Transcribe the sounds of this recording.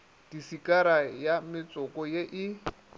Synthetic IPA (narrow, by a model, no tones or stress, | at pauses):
d̥isikʼaɾajamɪt͡sʼɔkʼɔjeʔɪ